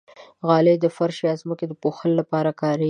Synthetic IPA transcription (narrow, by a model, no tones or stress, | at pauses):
ɣɑled̪əfaɾʃeɑzməked̪əpoxəlolapɑɾakɑɾə